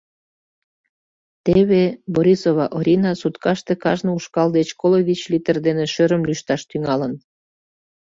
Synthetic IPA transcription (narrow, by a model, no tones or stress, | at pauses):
t̪eβeboɾʲisoβɑʔoɾʲinɑsut̪kɑʃt̪ekɑʒnɤuʃkɑld̪et͡ɕkoloβʲit͡ɕlit̪ərd̪eneʃøɾəmlyʃt̪ɑʃt̪yŋɑlən